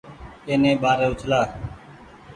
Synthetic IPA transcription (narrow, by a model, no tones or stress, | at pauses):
eːnẽːɓaːɾeːʊt͡ʃʰlaː